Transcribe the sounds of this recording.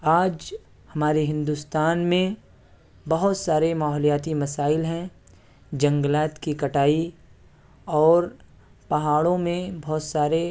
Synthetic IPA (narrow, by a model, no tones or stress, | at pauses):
aːd͡ʒ | hɐmaːɾeɦɪ̃nd̪ust̪aːnmẽ | bɐɦʊt̪saːɾemaːɦlijaːt̪imɐsaːɪlɦɛ̃ | d͡ʒɐ̃ŋɡlaːt̪kikɐʈaːi | ɔːɾ | pɐɦaːɽõmẽbɔɦt̪saːɾe